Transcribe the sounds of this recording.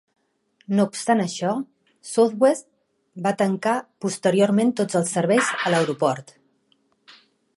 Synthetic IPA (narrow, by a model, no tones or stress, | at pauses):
noupst̪anəʃɔ | sod̪west̪ | bat̪əŋkapust̪əɾiorment̪od͡zəlˠsːəɾβɛjzələwɾupɔɾt̪